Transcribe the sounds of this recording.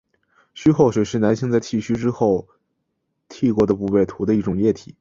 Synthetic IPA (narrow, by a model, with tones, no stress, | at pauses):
ɕy˥xo˥˩ʊʂwe˨˩ɪʂɻ̩˧˥˩na˧˥nɕi˥˧ŋt͡sa˥˧ɪt̪ʰi˥˩ɕy˥ʈ͡ʂɻ̩˥xo˥˩ʊ | t̪ʰi˥˩kwɔ˧˥d̪ə˧pu˥˧pe˥˩ɪt̪ʰu˧˥d̪ə˧i˥˩ʈ͡ʂʊ˨˩ŋjɛ˥˩t̪ʰi˨˩˦